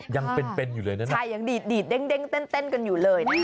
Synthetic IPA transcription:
za˧ŋpe˧npe˧njṵ˨˧˦ləː˨˩jnəː˨˦a˧ja˨˧˩ŋɗi˨˩t̪̚ɗi˨˩t̚ɗe˧ŋɗe˧˦ŋt̪e˧nt̪e˧nkə˨˩nju˧˨˩ləː˨˩jna˨˦

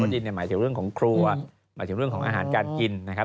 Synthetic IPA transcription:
ji˧ni˥˩maː˩˦t̪ʰɯ˩˦ɾɯ˥˩ŋkʰɔː˨˩˦ŋkʰɾuː˧a˧˩ | maː˨˦j̪t̪ʰɯ˩˦ɾɯ˥˩əŋkʰːŋʔaː˧˩ɦaː˩˦nkaː˧nki˧nna˦kʰa˦˥

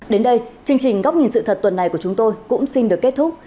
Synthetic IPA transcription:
ɗe˨˦nɗə˧jt͡ɕɨ˧əŋt͡ɕï˨˩ŋ̟ɣa˦˥w̚k͡p̚ɲi˨˩nsɨ̰˧˨t̪ʰə˨˩t̚t̪wə˨˩nːa˨˩jku˧˩ət͡ɕʊ˨˦ŋ͡mt̪o˧jkʊ̰˧˥ŋ͡msi˧nɗɨ˨˩əkːe˦˥t̚t̪ʰʊ˦˥k͡p̚

